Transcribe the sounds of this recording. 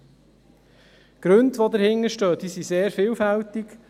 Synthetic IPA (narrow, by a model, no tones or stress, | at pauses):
ɡ̥ɾɵndʋodəɾhɪŋːəɾʃtøːd̥̪isiseːɾfɪːlfælt̪ɪk